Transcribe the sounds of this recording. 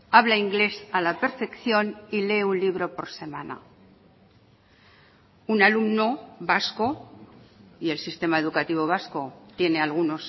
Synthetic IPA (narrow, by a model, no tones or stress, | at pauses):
aβ̞laiŋɡle̞salape̞ɾfe̞kθjo̞nile̞ːunliβ̞ɾo̞po̞ɾse̞mana̰ | unalumno̞basko̞ | ie̞lsist̪e̞mae̞ð̞ukat̪iβ̞o̞β̞asko̞t̪jene̞alɣ̞uno̞s